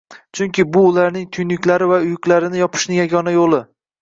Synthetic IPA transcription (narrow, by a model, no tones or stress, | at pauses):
t͡ʃʰʊŋkʲʰɪbʊːlaɾnɪŋt̪ʰʊjnɪkʲlaɾɪvaʊjʊkʲlaɾɪnɪjɒpʰɪ̥ʃnɪŋjaɡʲɒnajolˠɪ